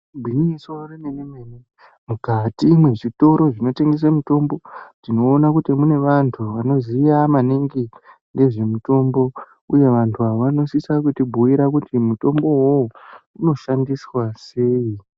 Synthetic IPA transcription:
bʱiɲisorenenemene | mukatiːmwe̞ʐito̞ɾo̞ʐino̞te̞ŋɡes̬amuto̞mbo̞tino̞ːnakutimune̞ʋantʰuʋano̞zijamaniŋɡi | nde̞ʐe̞muto̞mbo̞ | uje̞ʋantʰuaoʋano̞sisakutibʱuiɾak̬utimuto̞mbo̞ɦouno̞ʃandiswase̞ːi

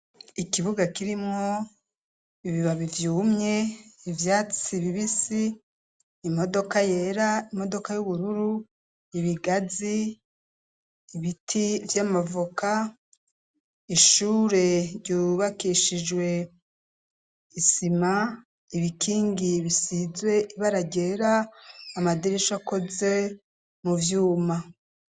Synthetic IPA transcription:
ikiβuɡakiɾimŋo | iβiβaβivjuːmɲe̞ivjaːt͡siβiβisiː | mo̞do̞kaje̞ɾaimo̞do̞kajuβuɾuɾu | iβiɡazi | βitʰivjamavuka | iʃuːɾe̞ɾɟuβakiʃid͡ʒwe̞ | isima | iβikʰiːŋɡiβisizwe̞ʔiβaɾaɟe̞ɾaːmadiɾeʃako̞ze | muvjuːma

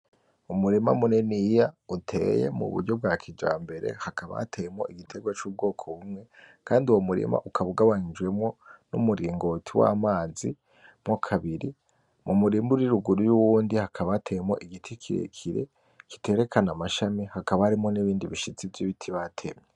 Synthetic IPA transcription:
umuɾima̰munenijautʰe̞̰ːje̞̰mṵβṵɾɟo̞b̚ɡaːkʰid͡ʒa̰ːmbe̞ɾe̞̰hakaβa̰atʰejemo̞̰ʔiɡitʰe̞ɡwat͡ʃuːb̚ɡo̞ːkʰoβumŋe̞kaːndiwomuɾḭma̰ʔukʰaβuɡaβaɲid͡ʒwe̞mŋo̞nṵmuɾiːŋɡo̞tʰiwa̰ːmaːzi | mokʰaβiɾi | mumuɾimbuɾiɾuɡuɾujuwuːndihakʰaβatʰejemo̞̰ʔiɡitʰikʰiɾḛkʰiɾe̞̰ | ki̥te̞ːɾe̞kʰanamaʃamihakaβahaɾimo̞niβiːndiβiʃit͡sivjiβitʰiβatʰemɲe

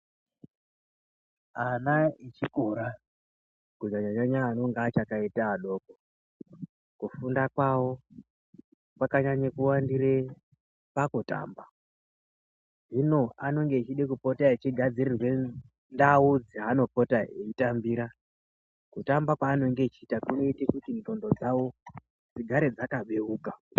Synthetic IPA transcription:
anait͡ʃikoɾa | kud͡ʒaɲaɲaɲaːnoŋɡat͡ʃakaitaːɗo̞ko | kufundakwawo̞ | pakaɲaɲakuwandiɾe | pakuta̰ːmba | ʐino̞ano̞ŋɡe̞ːt͡ʃiɗekupo̞taet͡ʃiɡʱad͡ziɾirwe̞ | ndaud͡ziɦano̞po̞taɦḛitambiːɾa | kutambakwaːno̞ŋɡe̞t͡ʃiːtakunoitekutindo̞ndo̞d͡zawo̞ | d͡ziɡʱaɾed͡zakaɓe̞uːka

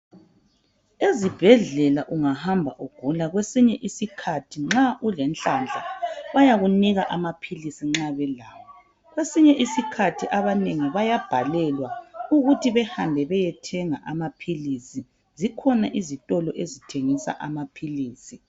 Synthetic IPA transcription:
ezib̥ʱɛɮɛlaʔuŋahambʱa̰ʔuɡ̥ʱulaɣwesiɲɛʔisikʰatʰiŋ͡ǁaʔulɛnt͡ɬʼand͡ɮʱaβajaɣuniɣaʔamapʰilisiŋ͡ǁaβɛlaːβɔ | ɣwesiɲɛʔisikʰatʰiʔaβaneŋiβajab̥ʱalɛlwauɣutʰiβɛhambʱɛβɛjɛtʰɛŋaʔamapʰilisi | zikʰɔnaʔizitʼɔlɔʔezitʰeŋisa̰ʔamapʰiliːsi

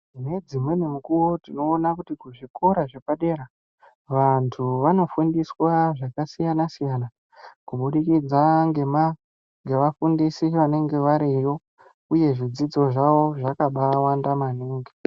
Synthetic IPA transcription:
ne̞d͡zimwe̞nemukuwo̞tino̞ːnakutikuʐikʰo̞ɾaʐepaɗe̞ɾa | ʋantʰuʋano̞fundiswaʐakasijanasijana | kuɓuɗikid͡zaŋɡe̞ma | ŋɡe̞ʋafundisiʋane̞ŋɡe̞ʋaɾijo̞ | uje̞ʐid͡zid͡zo̞ʐaʋo̞ʐakaɓawandamaniːŋɡi

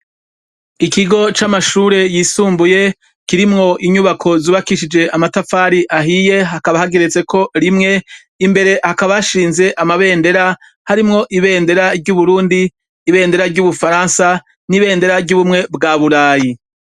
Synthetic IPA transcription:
ikiɡo̞t͡ʃamaʃuːɾe̞jiːsuːmbuje̞ | kiɾimŋo̞ʔiɲuβakʰo̞zuːβakiʃid͡ʒe̞amatafaːɾiʔaɦije̞ɦakaβahaɡe̞ɾet͡se̞kʰo̞ɾimŋe̞ | imbe̞ɾe̞hakaβajaʃiːnze̞ʔamaβe̞ːnde̞ɾa | haɾimŋo̞ʔiβe̞ːnde̞ɾaɾɟuβuɾuːndiː | βe̞ːnde̞ɾaɾɟuβufaɾaːnsa | niβe̞ːnde̞ɾaɾɟuβumŋe̞bɡaːβuɾaːji

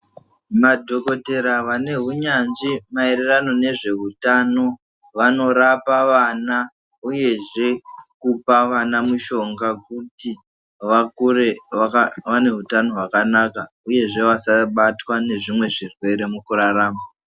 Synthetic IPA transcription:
madʱo̞ko̞te̞ɾaʋane̞ɦuɲanʐimaeɾerano̞ne̞ʐe̞ɦutano̞ | ʋano̞ɾapaʋana | uje̞ʐe̞kupaʋanamuʃo̞ŋɡak̚uti | ʋakuɾe | ʋane̞ɦutano̞ɦwakanaka | uje̞ʐe̞ʋasaɓatwane̞ʐimwe̞ʐirwe̞ɾe̞mukuɾaɾaːma

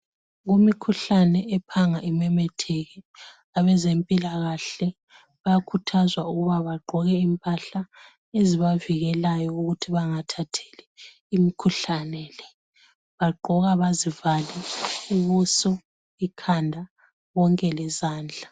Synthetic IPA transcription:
ɣumikʰuɬanɛʔɛpʰaŋaʔimɛmɛtʰɛɣɛ | aβɛzempʼilaɣaɬɛ | βajakʰutʰazwauɣuβaβaɡ͡ǃʱɔɣɛimpʼaɬa | eziβaviɣɛlajɔuɣutʰiβaŋatʰatʰe̥lɛ | imikʰuɬanɛlɛ | βaɡ͡ǃʱɔɣaβazivalɛiβusɔ | ikʰandʱa | ɣɔŋkʼɛlɛzaːnd͡ɮʱa

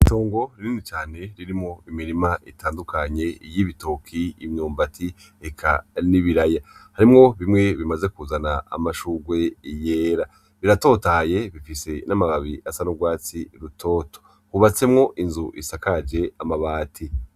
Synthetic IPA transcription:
ito̞ːŋɡo̞ɾiniːnit͡ʃaːne̞ɾiɾimŋo̞imiɾimaʔitʰaːndukʰaɲe̞jiβito̞kʰiḭmɲuːmbatʰi | ekʰa̰niβiɾajahaɾimŋo̞βimŋe̞βimaze̞kuzana̰ːmaʃuɡwe̞ije̞ːɾa | βiɾato̞taje̞βifise̞namaβaβiʔasanuɡwaːt͡siɾutʰo̞ːto̥ | huβat͡se̞mŋo̞ʔinzuʔḭsakad͡ʒe̞amaβaːtʰi

